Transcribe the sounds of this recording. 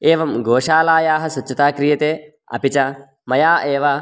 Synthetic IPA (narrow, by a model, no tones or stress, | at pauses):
eːʋɐmɡoːʂaːlaːjaːɦɐ̆sɐt͡ʃːɐt̪aːkɾijɐt̪eː | ɐ̰pit͡ʃɐ | mɐjaːʔeːʋɐ